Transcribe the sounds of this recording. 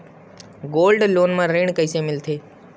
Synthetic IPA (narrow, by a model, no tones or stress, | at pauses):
ɡoːlɖloːnmãːɾeːɳ̃kəiseːmɪlt̪ʰeː